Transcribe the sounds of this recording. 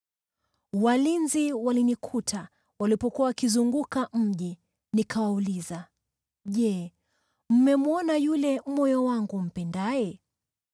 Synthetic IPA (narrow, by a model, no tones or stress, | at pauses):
walinziwalinikʰutʰa | walipɔkuawakizuŋɡukam̩ʄi | nikʰawauliza | ʄɛ | m̩mɛmuɔnajulɛmɔjɔwaŋɡum̩pɛndajɛ